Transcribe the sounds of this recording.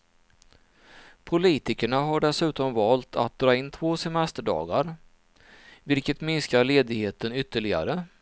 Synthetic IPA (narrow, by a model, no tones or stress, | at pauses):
pʰʊliːt̪ɪkəɳaɦaɖɛsʉ̟ːt̪ɔmvɑːlt̪ʰa̰t̪̚d̪ɾɑːɪnːt̪ʰvoːsɛmɛst̪əɖɑ̰ːɡaɾ | vɪlkət̪mɪnskaɾɭeːd̪ɪɡheːt̪ənʏt̪ʰːəɭɪɡa̰ɾə